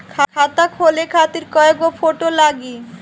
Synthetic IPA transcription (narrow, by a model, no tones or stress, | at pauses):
kʰakʰat̪akʰolekʰat̪iɾkɔekofoʈolaɡi